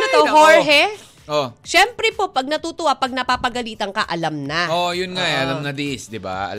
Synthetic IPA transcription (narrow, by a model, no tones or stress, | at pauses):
not̪oɦoɹɦɛ | ʔoʃɛmpɾɛpo̞pɐɡ̚nɐt̪uːt̪ʊwapɐɡ̚nɐpaːpɐɡɐliːt̪ɐŋkɐʔɐlɐmnɐʔojʊnŋaʔɛʔɐlɐmnɐd̪ɪʔɪsd̪ɪba̰ɐ̰